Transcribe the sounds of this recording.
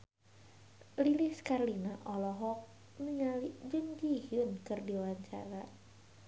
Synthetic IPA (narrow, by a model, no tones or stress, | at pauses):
lilɪskarlinaʔɔlɔɦɔk̚ | nəɲalid͡ʒəŋd͡ʒihɨnkɨrdiwaɲt͡ʃa̰ɾa